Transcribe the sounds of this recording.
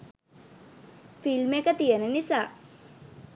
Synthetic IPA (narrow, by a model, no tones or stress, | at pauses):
filmekət̪ijənənisaː